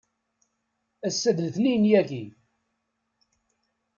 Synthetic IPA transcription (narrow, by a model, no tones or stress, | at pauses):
æsːəðəlθnijnjæɡi